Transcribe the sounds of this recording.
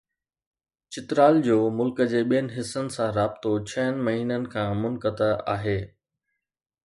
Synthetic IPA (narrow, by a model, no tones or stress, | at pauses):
t͡ɕɪt̪ɾaːld͡ʑoːmʊlkəd͡ʑeːɓijənɪ̆ɦɪsːənɪ̆sãɾaːb̥ɪt̪ot͡ɕʰɐənɪ̆mɐɦiːnənɪ̆kʰãmʊnkət̪əa̰ːɦeː